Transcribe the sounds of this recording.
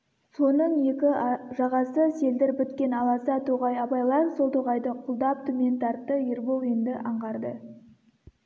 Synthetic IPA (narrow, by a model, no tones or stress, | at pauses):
so̞nəɴje̞kʲɪʒɑʁɑsəse̞ld̪ɪɾbʏt̪kʲe̞nɑlˠɑsɑt̪ʰoʁɑjɑpɑjlˠɑɾso̞lˠt̪ʰoʁɑjd̪əqʰʊlˠd̪ɑp̚t̪ʰumʲent̪ɑɾt̪ːəjeɾbolˠend̪ɪʔɑɴʁɑɾd̪ə